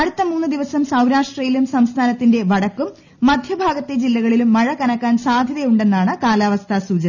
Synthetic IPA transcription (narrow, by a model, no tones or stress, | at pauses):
ɐɽut̪ːɐmuːnːɨd̪iʋɐsɐmsɐwɾaːʂʈrɐjilumsɐmst̪ʰaːnɐt̪ːinde̞ʋɐɽɐkːumː | ɐd̪ʱjɐbʱaːɡɐt̪ːed͡ʑilːɐɣɐɭilumːɐɻɐkɐnɐkːaːnsaːd̪ʱjɐðɐjuɳɖe̞nːaːɳɨkaːlaːʋɐst̪ʰasuːd͡ʑɐnɐ